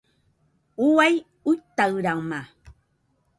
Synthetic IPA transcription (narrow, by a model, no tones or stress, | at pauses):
uwaj | ujt̪awɾaŋma